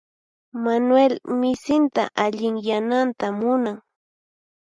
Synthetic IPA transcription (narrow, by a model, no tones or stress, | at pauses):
manwelmɪsɪnt̪a̰ʔaʎɪŋjanant̪amʊnaŋ